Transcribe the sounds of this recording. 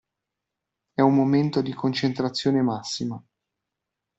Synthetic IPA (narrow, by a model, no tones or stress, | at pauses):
ɛummːoment̪od̪ikont͡ʃent̪ɾat̪sːjoːnemasːima